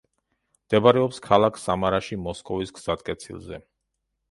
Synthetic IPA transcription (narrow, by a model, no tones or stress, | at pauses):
md̪̥ɛbaɾɛɔpskʰalˠakʰsamaɾaʃimɔskʼɔvisɡz̥ad̪̚kʼɛt̪sʰḭlˠzɛ̰